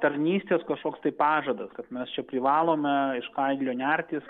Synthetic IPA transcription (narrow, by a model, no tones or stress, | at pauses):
t̪ɐɾʲnʲiːsʲt̪ʲeːskɐʃkoːkst̪ɐɪpɑːʒɐd̪ɐskɐt̪mʲɛst͡ʃʲɛpʲɾʲɪʋɑːlˠoːmʲɛɪʃkɐɪd̪ʲlʲoːnʲæɾʲt̪ʲiːs